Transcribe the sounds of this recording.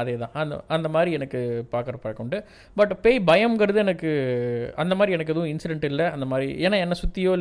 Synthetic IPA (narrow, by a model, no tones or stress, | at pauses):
ɐðeːt̪ãːɐnɐ̰ɐnd̪ɐmaːd̪ɾiɛnɐkːɯpaːɾkɐɾɐpɐkːɔɳɖɯ | bɐʈːpeːbɐjɐmɡɐɾɐðɯɛnɐkːɯɐnd̪ɐmaːd̪ɾiɛnɐkːɛðɐʋʊ̃ɪnsɪɖɛɳʈɪlːɐɐnd̪ɐmaːd̪ɾiʔḛːnːaːɛnːɐsʊt̪ːɪjoːl